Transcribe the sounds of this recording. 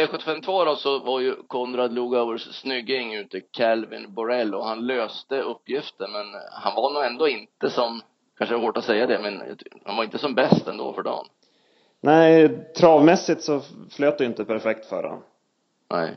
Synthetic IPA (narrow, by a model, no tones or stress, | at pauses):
ɛɧɵt̪ːɪfɛmt̪ʰvoːɾɔsɔvaɾjɵkʰɔnɾad̪luːɡawəʂːnʏɡ̪ːɪŋʉ̟ːt̪əkʰɛlvɪ̰nbɔɾɛlːɔhanløːst̪əɵpːjɪft̪əɾmɛnhanvaɳuːɛnd̪oːɪnt̪əsɔm | kʰanʂəhoːʈat̪sɛjːad̪ɛmɛnjɑ̰ha̰nvaɾɪnt̪əsɔmbɛst̪ɛ̰nd̪o̰ːfœɖɑ̰ːn | næɪt̪ʰɾɑːvmɛsːɪt̪sɔfløːt̪d̪ɪɪnt̪əpʰæɾfɛk̚t̪fœ̰ɾha̰n | nɛ̰ɪ